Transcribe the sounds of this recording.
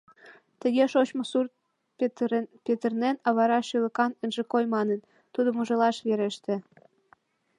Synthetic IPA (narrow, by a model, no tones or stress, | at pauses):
t̪ə̆ɣeʃot͡ɕmŏsurt̪̚ | pʲet̪ərnenɑβɑɾɑʃylə̆kɑnə̆nʒĕkojmɑnə̆n | t̪ud̪ŏmuʒɤ̆lɑʃβeɾeʃt̪ĕ